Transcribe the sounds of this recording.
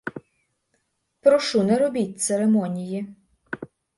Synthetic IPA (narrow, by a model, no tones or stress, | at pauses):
pɾɔʃunɛɾɔbʲitʲt̪seɾemɔnʲiji